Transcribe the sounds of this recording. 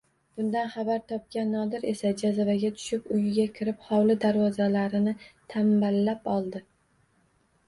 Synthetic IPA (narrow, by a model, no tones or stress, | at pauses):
b̥ʊnd̪anχabaɾt̪ʰɒp̚kʲanːɒd̪ɪɾe̞sad͡ʒazavaɡʲat̪ʰʊ̥ʃɪpʊjɪɡʲakʲʰɪɾɪpχɒwlɪd̪aɾwɒzalaɾɪnɪt̪ʰambalːapɒlˠd̪ɪ